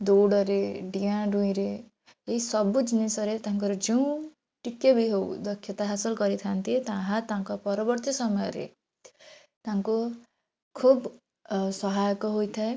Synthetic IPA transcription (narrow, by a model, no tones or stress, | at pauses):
d̪oɽɔɾeɖijãɖũĩɾeː | ɦisɔbud͡ʒinisɔɾet̪aŋkɔɾɔd͡ʒeũ | ʈikːebʱiɦow̰d̪ɔkʰjʌt̪aɦasɔlkɔɾit̪ʰant̪it̪ãɦãt̪ãŋkɔpɔɾɔbɔɾt̪jɔsɔmɔjɔ̰ɾḛ | t̪ãŋku | kʰub | sɔɦajɔkɔɦojt̪ʰae